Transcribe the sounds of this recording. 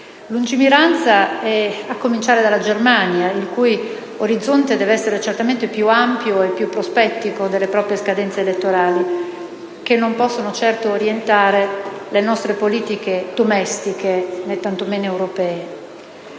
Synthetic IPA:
lund͡ʒimiɾant̪saɛakːomint͡ʃaːɾed̪alːad͡ʒermanjailkuj | oɾid̪zːont̪ed̪ɛːveɛsːeɾet͡ʃert̪ament̪epjuampjoepːjupːɾospɛt̪ːikod̪elːepɾɔːpɾijeskad̪ɛnt̪seːlet̪ːoɾaːli | k̟enːompɔsːonot͡ʃɛrt̪oːɾjent̪aːɾelenɔst̪ɾepoliːt̪iked̪omɛst̪ikenet̪ːant̪omeːnoewɾopɛːe

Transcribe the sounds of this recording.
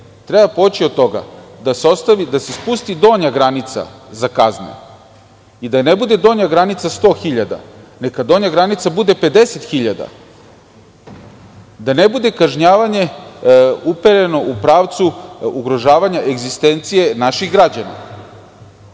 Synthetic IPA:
t̪ɾebapot͡ɕio̞d̪̚t̪o̞ɡa̰d̪aseost̪aʋid̪asespust̪id̪o̞ːɲaɡɾanit̪sa̰zakaznḛ | id̪anebud̪e̞d̪o̞ːɲaɡɾanit̪sast̪o̞ːxiʎad̪a̰nekad̪o̞ːɲaɡɾanit̪sabud̪e̞pe̞d̪e̞se̞t̪xiʎad̪a̰ | d̪anebud̪e̞kaʒɲaːʋaɲe̞ | upeɾe̞no̞ʔupɾaːʋt̪suuɡɾo̞ʒaːʋaɲaʔe̞ɡzist̪e̞nt̪sije̞naʃiɣɡɾad͡ʑana̰

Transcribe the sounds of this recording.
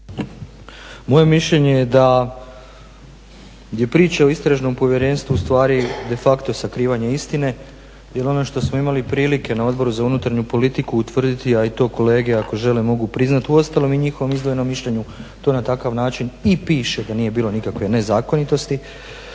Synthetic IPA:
mo̞je̞miʃʎe̞ɲe̞jed̪a | d̪je̞pɾiːt͡ɕao̞ist̪ɾaʒno̞mpo̞ʋje̞ɾe̞ːnst̪ʋust̪ʋaːɾid̪e̞fakt̪o̞sakɾiːʋaɲeist̪ine̞ | jelo̞noʃt̪o̞smoimalipɾiːlike̞nao̞d̪bo̞ɾuzaunut̪aɾɲupo̞lit̪ikuːt̪ʋr̩d̪it̪iait̪o̞ːko̞le̞ːɡeako̞ʒe̞lemo̞ɡupɾiznat̪uo̞st̪alˠo̞miɲixoʋo̞mizd̪ʋojeno̞mːiʃʎe̞ɲut̪o̞ːnat̪akaʋnaːt͡ʃinipiːʃe̞d̪aniːje̞biːlo̞nikakʋe̞ne̞zaːko̞nit̪o̞st̪i

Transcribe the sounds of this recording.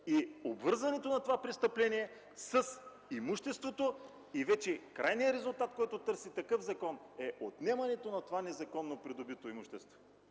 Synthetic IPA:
iobvɤɾzɐnɛt̪onɐt̪ovapɾɛst̪ɐplɛniɛ | sɐs | imuʃt̪ɛst̪vot̪o | ivɛt͡ʃɛkɾʔajnijəɾɛzʊlˠt̪at̪kɔjt̪ot̪ɤɾsit̪ɐkɤfzɐkɔnɛʔot̪nɛmɐnɛt̪onɐt̪ovanɛzɐkɔnːopɾid̪obit̪oimuʃt̪ɛst̪vo̥

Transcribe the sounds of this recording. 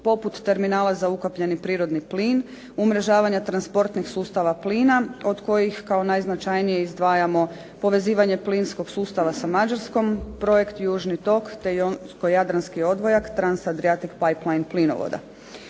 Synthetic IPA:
po̞put̪ːe̞ɾminaːlazaukopʎe̞nipɾiːɾo̞d̪nipliːn | umɾe̞ʒaːʋaɲat̪ɾanspo̞ɾt̪nixsuːst̪aʋapliːnao̞d̪ko̞jixkao̞najznat͡ʃajnije̞izd̪ʋaːjamo̞ | po̞ʋe̞ziːʋaɲe̞plinsko̞ɡsuːst̪aʋasamad͡ʒaɾsko̞mpɾo̞je̞kt̪juːʒnit̪o̞kt̪ejonsko̞jad̪ɾanskio̞d̪ʋo̞jakt̪ɾansad̪ɾiat̪ikpajplˠajnplino̰ʋo̰d̪a̰

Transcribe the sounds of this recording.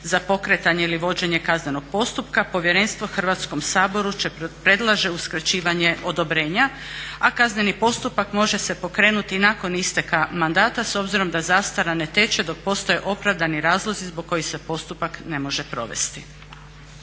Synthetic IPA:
zapo̞kɾe̞t̪aɲeiliʋo̞d͡ʑe̞ɲekazne̞no̞ɡ̥̚po̞st̪upkapo̞ʋje̞ɾe̞ːnst̪ʋo̞xr̩ʋat̪sko̞msaːbo̞ɾut͡ʃepɾe̞d̪lˠaʒe̞uskɾat͡ɕiːʋaɲe̞ʔo̞d̪o̞bɾe̞ːɲa | akazne̞nipo̞st̪upakmo̞ʒe̞se̞po̞kɾe̞ːnut̪inako̞nist̪e̞kamand̪aːt̪aso̞bziɾo̞md̪azaːst̪aɾane̞t̪e̞t͡ʃe̞d̪o̞k̚po̞st̪o̞jeʔo̞pɾaʋd̪aniɾaːzlˠo̞zizboɡ̚kːo̞jixse̞po̞st̪upakne̞mo̞ʒe̞pɾo̞̰ʋe̞̰st̪i

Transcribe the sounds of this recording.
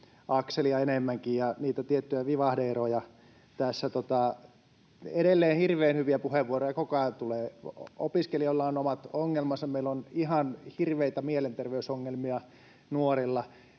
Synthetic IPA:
ɑkseliɑenemːæŋkijjɑniːt̪æt̪iet̪ːyjæʋiʋɑhdeerojɑ | t̪æsːæt̪ot̪ɑ | edelːeːnhirʋeːnhyʋiæpuheʋʋuorojɑkokɑt̪uleːopiskeliolːɑonomɑt̪oŋːelmɑsɑmeilːonihɑnhirʋeit̪æmielent̪erʋeysoŋːelmiɑ | nuorilːɑ

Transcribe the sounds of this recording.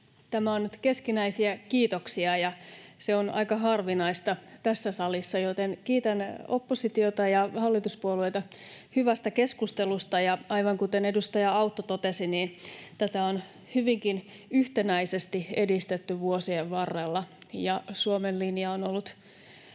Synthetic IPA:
t̪æmæonnyt̪ke̞skinæisiækiːt̪oksiɑjɑseonɑ̰ikɑɦɑrʋinɑist̪ɑt̪æsːæsɑlisːɑjot̪enkiːt̪ænopːosit̪iot̪ɑjɑhɑlːit̪uspuolueit̪ɑhyʋæst̪ækeskust̪elust̪ɑjɑʔɑiʋɑŋkut̪ene̞dust̪ɑjɑɑut̪ːot̪ot̪esiniːnt̪æt̪æon | hyʋiŋkin | yht̪enæisest̪iedist̪et̪ːyʋuosieʋʋɑrːelːɑjɑsuomenlinjɑonolːut̪

